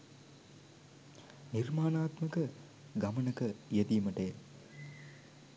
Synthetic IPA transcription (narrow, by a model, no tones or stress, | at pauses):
nirmaːnaːt̪mɐkə | ɡɐmɐnɐkɐjed̪ijmɐʈeː